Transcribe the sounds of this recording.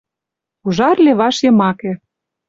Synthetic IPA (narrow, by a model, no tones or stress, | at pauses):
uʒɑrleβɑʃjɤ̆mɑkĕ